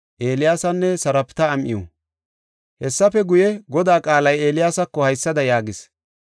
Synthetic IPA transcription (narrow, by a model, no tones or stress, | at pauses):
ʔeːlɪjaːsɐnːɛsɐɾɐpt̪ɐːmʔɪ̰jɔ̰ | hɛsːɐfɛɡʊjɛɡɔd̪aːkʼaːlɐje̞ːlɪjaːsɐkːɔhɐjsːɐd̪ɐjaːɡɪs